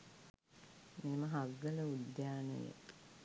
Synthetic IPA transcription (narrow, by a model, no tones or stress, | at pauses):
meːməɦaɡələud̪jaːnə̰jḛ